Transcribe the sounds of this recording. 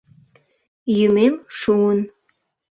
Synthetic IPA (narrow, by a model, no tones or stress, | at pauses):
jymemʃuən